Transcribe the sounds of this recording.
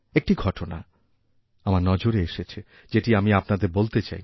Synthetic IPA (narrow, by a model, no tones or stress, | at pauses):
ek̚ʈiɡʱɔʈona̰ | amaɾnɔd͡ʑoɾeeʃet͡ɕʰe | d͡ʑeʈiamiapnad̪eɾbolt̪et͡ɕa̰j